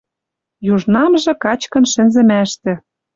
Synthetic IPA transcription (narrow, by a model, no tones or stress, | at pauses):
juʒnɑmʒɤ̆kɑt͡ɕkɤ̆nʃɘ̆nzɘ̆mæʃt̪ɘ̆